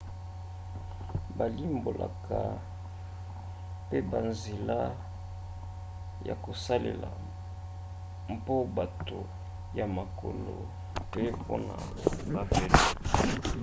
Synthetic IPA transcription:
ba˨li˦mbo˨la̰˨kʰa˨ | pe˦ba˨nze˨la˦ | ja̰˨ko˨sa˦lḛ˨la˨ | mpo˦ba˨to˨ | ja˨ma˨ko˨lo˨ | pe˦po̰˦na˨ | ba˨fe˨le˦˨

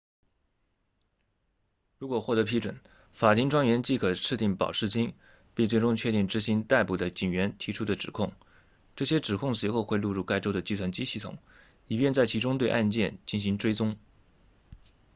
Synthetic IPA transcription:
ɻu˧˥kwɔ˨˩xwɔ˥˩t̪ɤ˧˥pʰi˥ʈ͡ʂwə̰˨˩˦n | fa˨˩t̪ʰi˥ŋʈ͡ʂwɑ˥ŋɥɛ˧˥nt͡ɕi˥˩kʰɤ˨˩ʈ͡ʂʰɻ̩˥˧t̪i˥˩ŋpɑ̰˨˩ʊʂɻ̩˥˩t͡ɕi˥ŋ | pi˥˧ŋt͡swe˥˩ɪʈ͡ʂʊ˥ŋt͡ɕʰɥɛ˥˧t̪i˥˩ŋʈ͡ʂɻ̩˧˥ɕi˧˥ŋt̪a˥˩ɪpu˨˩d̪ə˦t͡ɕi˨˩ŋɥɛ˧˥nt̪ʰi˧˥ʈ͡ʂʰu˥d̪ə˨ʈ͡ʂɻ̩˨˩kʰʊ˥˩ŋ | ʈ͡ʂɤ˥˩ɕjɛ˥ʈ͡ʂɻ̩˨˩kʰʊ˥˩ŋswe˧˥ɪxo˥˧ʊxwe˥˧lu˥˧ɻu˥˩ka˥ɪʈ͡ʂo˥ʊd̪ə˨t͡ɕi˥˧s̬ʰwa˥˩nt͡ɕi˥ɕi˥˩t̪ʰʊ̰˨˩˦ŋ | i˨˩pjɛ˥˧nt͡sa˥˩ɪt͡ɕʰi˧˥ʈ͡ʂʊ˥ŋt̪we˥˧ɪʔa˥˧nt͡ɕjɛ˥˧nt͡ɕi˥˩nɕi˧˥ŋʈ͡ʂwe˥ɪt͡sʊ˥ŋ

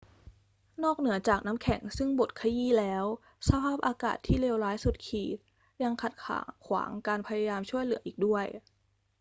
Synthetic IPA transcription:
nɔː˥˩k̚nɯ˩˦ɐt͡ɕaː˨˩k̚na˦˥mkʰɛ˨˩˦ŋsɯ˥˩ŋbo˨˩t̪̚kʰa˧jiː˥˩lɛː˦˥w | sa˧pʰaː˥˩p̚ʔaː˧ka̰ː˨˩t̪ʰːiː˥˩leː˧wɾaː˦˥jsu˨˩t̪̚kʰiː˨˩t̪̚ | ja˧ŋkʰa˨˩t̪̚kʰa̰ː˩˦kʰwa̰ː˩˦ŋkaː˧npʰa˧ja˧jaː˧mt͡ɕʰu˥˩əjlɯ˨˩˦ɐʔiː˨˩k̚du˥˩əj

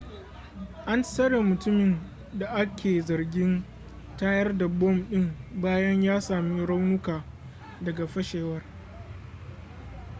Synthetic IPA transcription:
ʔa˦nsɐ˦ɽeː˨mʊ˨tʊ˦mɪ˨n | da˨ʔa˦kʲʰeː˨zɐ˨rɡʲɪ˦n | taː˦jɐ˦rda˨bɔ˦˨mɗɪ˦ŋbaː˦jɐ˦ɲjaː˦saː˨miː˦ɽa˦wnʊ˦kaː˨ | dɐ˨ɡa˨ɸɐ˦ʃeː˨wɐ˦r

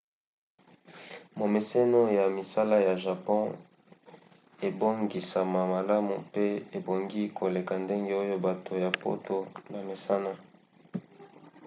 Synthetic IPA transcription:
mo˨me˨se˦no˦ja˨mi˨sa˦la˦ja˨ʒa˨pɔ̃˦ | e˨bo˦ŋɡi˨sa˨ma˨ma˨la˦mu˨pe˦e˨bo˨ŋɡi˦kʰo˨le˨ka˨nde˦ŋɡe˦o˦jo˦ba˨tʰo˨ja˨po̰˦to˦na˨me˨sa˦na˦

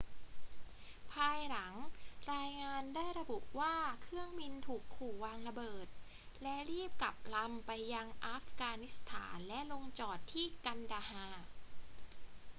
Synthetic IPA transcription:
pʰaː˧jla˩˦ŋɾaː˧jŋaː˧ndaː˥˩jɾa˧bu˨˩ʔwaː˥˩kʰɾɯ˥˩əŋbi˧nt̪ʰuː˨˩kʰːuː˨˩waː˧ŋɾa˧bɤː˨˩t̪̚ | lɛ˦˥ɾiː˥˩p̚ka˨˩p̚la˧mpa˧jːa˧ŋʔaː˦˥fkaː˧ni˦˥st̪ʰa̰ː˩˦nlɛ˦˥ʔlo˧ŋt͡ɕɔː˨˩t̪ʰːiː˥˩ka˧ndaː˧haː˧

